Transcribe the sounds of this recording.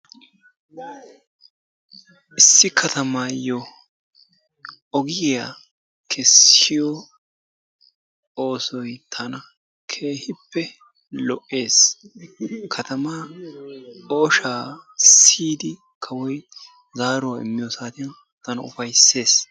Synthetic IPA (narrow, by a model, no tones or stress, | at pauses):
ʔɪsːɪkʰɐt̪ɐmaːjɔ | ʔɔɡɪjja | kʰɛsːɪjɔ | oːsɔjt̪ʰɐnɐ | kʰe̞ːhɪpːɛ | lɔʔe̞ːs | kʰɐt̪ɐmaː | o̞ːʃaːsiːd̪ɪ | kʰɐwɔj | zaːɾʊwaɪ̰mːɪjosaːt̪ɪjɔ | t̪ɐnɐʊ̰fɐjsːe̞ːs